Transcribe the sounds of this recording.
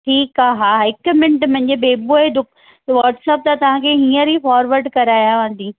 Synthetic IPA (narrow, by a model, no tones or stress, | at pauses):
ʈʰiːkaːɦaːɦɪkmɪ̃ɳʈmɐ̃ɦɪ̃ɲd͡ʑebeːboɦed̪ʊkʰ | ʋaːɾʈsɛːp̚t̪ɐt̪ɐʋ̤ãːkʰeɦĩːə̃ɾifaːɾʋəɾɖkɐɾaːjaʋãːnd̪ĩː